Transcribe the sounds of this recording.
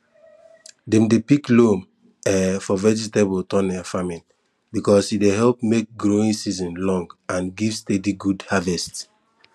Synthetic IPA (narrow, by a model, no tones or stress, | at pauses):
dɛ̃mdepiklom | ɛfɔvɛd͡ʒitebotɔ̃nɛfamĩn | bikɔsideɦɛlp̚mek̚ɡɹoĩŋsizɔ̃nlɔ̃ŋɡãnɡivstediɡudhavɛst